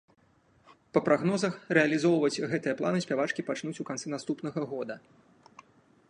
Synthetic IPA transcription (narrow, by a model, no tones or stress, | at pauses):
pɐpɾʔaɣnɔzɐxrɛɐlʲizɔwvɐt͡sʲɣɛt̪ɨjɐplˠanɨsʲpʲavat͡ʂkʲipat͡ʂnut͡sʲukant̪sɛnast̪upnɐɣɐɣɔd̪ɐ